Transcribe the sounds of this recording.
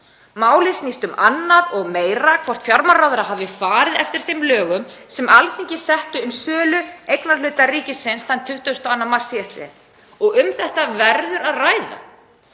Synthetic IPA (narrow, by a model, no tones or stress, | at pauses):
maːwlɪsniːst̪ʏmanːaðɔɣmeːjɾakʰvɔr̥t̪fjaɾmaɾrawðɾaɦavðɪfaːɾɪðɛft̪ɪɾ̥θejmlœːɣʏmsɛmʔalθiɲcɪsɛht̪ʏːmsœːlʏejknaɾlʏːt̪ariːcɪsɪnsθant̪ʰʏht̪ʏœst̪ɔanːamar̥siɛst̪ɪɪ | ɔɣʏmθɛht̪avɛɾðʏɾaðraːjða̰